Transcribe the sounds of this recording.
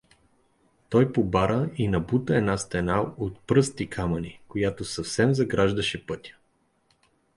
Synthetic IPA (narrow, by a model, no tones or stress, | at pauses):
t̪ɔjpobaɾəinɐbut̪əɛnast̪ɛnaot̪̚pɾɤst̪ikʰamɐnikojat̪osɐfsɛmzɐɡɾaʒd̪əʃɛpɤt̪ʲjə̥